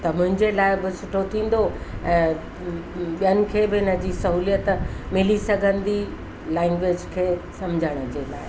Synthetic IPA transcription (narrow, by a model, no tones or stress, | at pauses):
t̪ɐmʊ̃ɦɪ̃ɲd͡ʑelaːɪbɪsʊʈʰot̪ʰĩːn̆d̪oɛ̃ː | ɓijənɪ̆kʰeːbɪɪnəd͡ʑiːsɐɦuːlijət̪mɪlisɐɡʱə̃nd̪i | lɛ̃ːŋɡʋeːd͡ʑkʰeːsɐmd͡ʑʱəɽ̃ə̆d͡ʑela̰ːɪ